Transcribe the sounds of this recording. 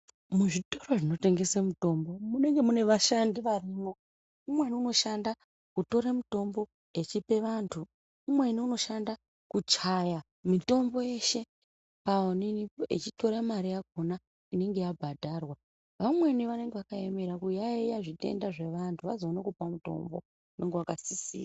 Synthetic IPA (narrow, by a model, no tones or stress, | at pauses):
muʐito̞roʐino̞te̞ŋɡe̞semuto̞mbomune̞ŋɡe̞mune̞ʋaʃandiʋariːmo̞ | umweniuno̞ʃanda | kuto̞ɾamuto̞mbo̞ | e̞t͡ʃipe̞ʋantʰu | umwe̞niuno̞ʃanda | kut͡ʃaja | mito̞mbo̞je̞ʃe̞ | paoniiḛt͡ʃito̞ɾemaɾijaɡ̚ʱona | ine̞ŋɡe̞jabʱadʱarwa | ʋamwe̞niʋane̞ŋɡe̞ʋakaemeɾakujaijaʐite̞̰ndaʐe̞ʋantʰuʋazoonokupamuto̞̰mbo̞̰ | une̞ŋɡewakasisḭːa